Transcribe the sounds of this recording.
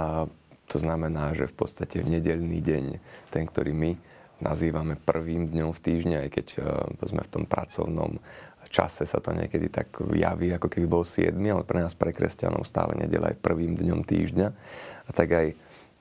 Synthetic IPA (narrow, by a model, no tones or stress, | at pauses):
at̪ʰɔznamɛnaːʒɛfpɔt̪st̪acʰɛvɲɛɟɛʎniːɟɛɲt̪ɛŋkt̪ɔɾiːmi | nʔa̰ziːʋamɛpr̩ʋiːmd̪ɲɔmft̪iːʒɲɛajkɛczmɛ̰ft̪ɔmpɾʔat͡sɔʊnɔ̰m | t͡ʃa̰sɛsat̪ɔɲɪɛ̰kɛd̪it̪aɡja̰ʋiakɔkɛbibɔlsɪɛ̰d̪mialɛpɾɛnaːspɾɛkɾɛsca̰nɔ̰ʊst̪a̰ːlɛ̰ɲɛ̰ɟɛlaajpr̩ʋiːmd̪ɲɔmt̪iːʒɟɲaat̪aɡaj